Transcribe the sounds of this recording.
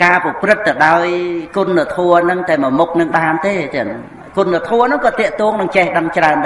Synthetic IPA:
kaːpɔprɨt̪̚ːɨwɗaɔjkunːɨət̪ʰuənɨŋt̪aɛmɔəmuk̚nɨŋɗaːnt̪eːt̪ɛ̆ən | kunːɨət̪ʰuənɨŋkɑːt̪ĭəʔt̪uəŋnɨŋt͡ɕɛhɗəŋt͡ɕraənɗ

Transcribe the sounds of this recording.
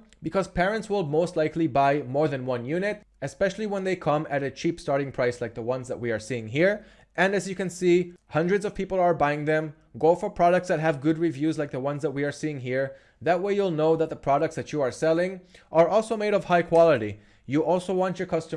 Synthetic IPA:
bɨkʰʌz̥pʰɛɹɨ̃ntswɪlˠmoʊstˡlaɪklibaɪmɔɹðɨ̃nwʌ̃njʉnɪt̚ | ɨspɛʃl̩ˠiwə̃nðeɪkʰʌ̃mɨɾɨt͡ʃʰipstɑɹɾɪ̃ŋpʰɹ̥aɪslaɪk̚ðəwʌ̃nzðət̚wiə˞siɪ̃ŋɦiɹ | ʔɨ̃nɨzjɨkɨ̃nsihʌ̃ndɹɨdzʌv̥pʰipl̩ˠə˞baɪɪ̃ŋðɛ̃m | ɡoʊfə˞pʰɹ̥ɑɾək̚tsðɨt̚ɦɨvɡʊd̚ɹivjʉzlaɪk̚ðəwʌ̃nzðət̚wiə˞siɪ̃ŋɦiɹ | ðɨt̚weɪjulˠnoʊðɨt̪̚ðəpʰɹ̥ɑɾɨk̚tsðɨt͡ʃuəɹsɛlˠɪ̃ŋʔə˞ɔlˠsoʊmeɪɾʌv̥haɪkʰw̥ɑlˠəɾi | jɨʔɔlˠsoʊwɑ̃nt͡ʃjə˞kʰʌstə

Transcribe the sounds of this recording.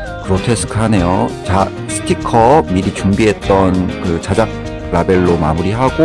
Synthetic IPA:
kɯɾotʰe̞sʰɯ̥kʰɯɦane̞jot͡ɕa | sʰɯ̥tʰikʰʌmiɾit͡ɕuŋbiɦe̞t̚t͈ʌnkɯt͡ɕad͡ʑak̚ | ɾabe̞ɭːomamuɾiɦaɡo

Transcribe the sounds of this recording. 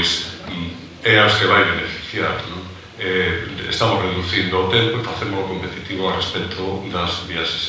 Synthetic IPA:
js | ɛaskeβajβenefi̥θjaɾnõŋ | ɛḛst̪amʊsreðuθind̪ʊot̪empefaθemʊsokompet̪it̪iβoarespɛt̪ʰoðɐzβiaʃe̥s

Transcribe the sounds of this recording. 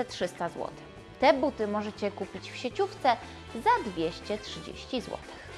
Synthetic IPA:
ɛtʂɘst̪azwɔ̰t̪ɘ̥x | t̪ɛbut̪ɘmɔʐɛt͡ɕɛkupʲit͡ɕfɕet͡ɕuft̪sɛ | zad̪vʲjeɕt͡ɕɛtʂɘd͡ʑḛɕt͡ɕizwɔ̰t̪ɘ̥x

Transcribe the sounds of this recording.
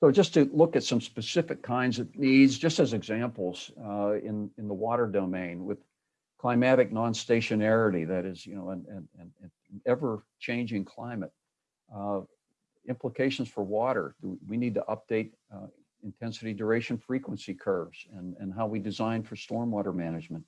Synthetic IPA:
soʊd͡ʒʌstʰɨlʊkɨtsʌ̃mspɨsɪfɨkʰãɪ̃ndzɨvnidzd͡ʒʌstɨzɨɡzæ̃mpl̩ˠz̥ɪ̃nɨ̃nðəwɔɾə˞doʊmẽɪ̃nwɪð̥ | kʰl̥aɪmæɾɨk̚nɑ̃nsteɪʃɨnɛɹɨɾiðɨɾɪzjɨnoʊə̃nɨ̃nɨ̃nɨ̃ | ɛvə˞t͡ʃʰẽɪ̃nd͡ʒɪ̃ŋkʰl̥ãɪ̃mɨt̚ | ɪ̃mpləkʰeɪʃn̩z̥fə˞wɔɾə̰˞dɨwinid̚tɨ̰ʔʌp̚d̥eɪɾ | ɨ̃ntʰɛ̃nsɨɾidə˞eɪʃɨ̃n̩fɹikwə̃nsikʰɜ˞vz̥ɨ̃nɨ̃nɦaʊwidɨzãɪ̃nfə˞stɔɹmwɔɾə˞mænɨd͡ʒmɨ̃nt̚

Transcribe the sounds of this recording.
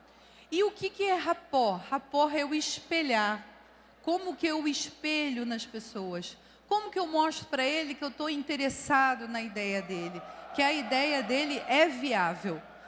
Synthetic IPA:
ɪʊkɪkɪɛɦapɔhhapɔɦɛʊɪʃpeʎaɾ | kõmʊkɪewɪʃpeʎʊnɐspesoɐs | kõmʊkɪewmɔʃt̪ɾʊ̥pɾɐelɪkɪewt̪oĩnt̪eɾesad̪ʊnɐid̪ɛjɐd̪elɪkɪɐid̪ɛjɐd̪elɪʔɛviavew

